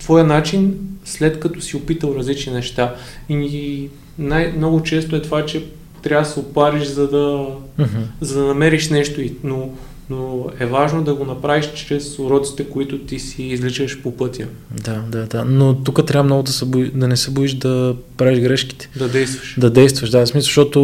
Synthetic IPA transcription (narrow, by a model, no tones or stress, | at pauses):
t̪vɔjənat͡ʃinslɛt̪kɐt̪ɔsiopit̪əlˠɾɐzlit͡ʃninɛʃt̪aii | najmnɔɡʊt͡ʃɛst̪oɛt̪ovat͡ʃɛ | t̪ɾʲavsɛʊpaɾiʃzɐd̪ɐm̩ɦ̩zɐd̪ɐnɐmɛɾiʃnɛʃt̪oino | noɛvaʒnod̪ɐɡonɐpɾaviʃt͡ʃɾɛsʊɾɔt̪si̥t̪ɛkoit̪ʊt̪isiːzlit͡ʃəʃpopɤt̪ʲjə | d̪ad̪ad̪anot̪ukət̪ɾʲavmnɔɡʊd̪ɐsɛbʊid̪ɐnɛsɛbuiʃd̪ɐpɾaviʒɡɾɛʃki̥t̪ɛ̥d̪ɐd̪ɛjst̪və̥ʃd̪ɐd̪ɛjst̪vəʃd̪asmisəʃt̪ɔt̪ʊ